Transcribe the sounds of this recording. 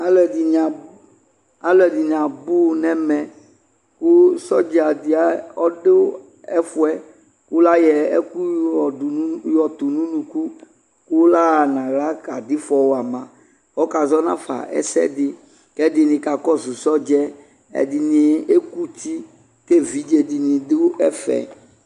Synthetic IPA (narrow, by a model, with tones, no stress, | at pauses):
a˦lɛ˨di˨ɲã˨ | a˦lɛ˨di˨ɲ˨ã˨bu˦nɛ̃˦mɛ̃˨ | ku˦sɔ˦d͡ʒɛ˨a˨d̪i˨a˦ɔ˦ɖe˦ | ɛ˦fu˦ɛ˦ | ku˦la˦jɛ˨ḛ˦ku˦ɔ˨˦jɔ˨t̪u˨nũ˦nũ˨ku˦ | ku˦la˦˨nã˨ɣla˦ka˨d̪ɪ˦fɔ˨wo˦a˨mã˨ | wɔ˦ka˨zɔ˦nã˦fa̰˨ɛ̰˦sɛ̰˦d̪ɪ˦ | kɛ˦d̪ɪ˨nĩ˨ka˨kɔ˦zu˨sɔ˦d͡ʒɛ˦ | ɛ̰˨di˨nĩ˨e˦ku˦t̪i˦ | ke˦vi˨˦d͡ʒe˨d̪i˨nĩ˨dɪ˦ɛ˦fɛ̰˨